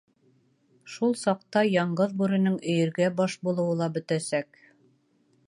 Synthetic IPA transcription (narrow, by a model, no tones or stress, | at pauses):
ʃulˠsɑq̚t̪ɑjɑɴɢɤðbʉɾɘ̆nɘŋɵ̆jɘ̆ɾɡæbɒʃbulˠɤ̆wɤlˠɑbɵ̆t̪æsæk